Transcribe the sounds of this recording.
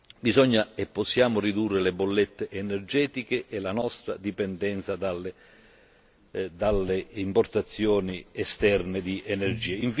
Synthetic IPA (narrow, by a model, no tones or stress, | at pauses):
bizɔɲːaepːɔsːjaːmʊrid̪urːelebolːet̪ːeʔːnɛrd͡ʒɛːt̪ikeʔɛlanɔst̪ɾa̰d̪ipɛnd̪ɛnt̪sad̪alːe | d̪alːeimport̪at̪sːjɔːniɛst̪ɛrnɪd̪iʔenerd͡ʒiːeiɱf